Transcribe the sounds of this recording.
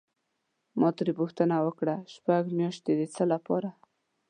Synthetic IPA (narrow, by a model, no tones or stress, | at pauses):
mʔɑt̪əɾipuxt̪ənawəkɽaʃpaɡmjɑʃt̪ed̪ət͡səlapɑɾa